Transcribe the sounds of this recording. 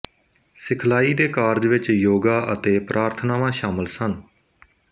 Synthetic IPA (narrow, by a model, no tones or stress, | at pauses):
sɪkʰlaːiːd̪eːkaːɾd͡ʒʋɪt͡ʃjoːɡaːʔət̪eːpɾʔaːɾt̪ʰnaːʋãːʃaːməlsən